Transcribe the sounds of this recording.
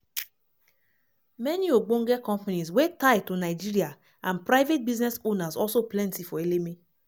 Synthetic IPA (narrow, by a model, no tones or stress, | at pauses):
mɛnioɡ͡boŋ̩ɡekɔ̃mpanizwetaɪtonaɪd͡ʒiɾia | ãnpɾaɪvet̚biznɛsonazɔlsoplɛ̃ntifɔeleme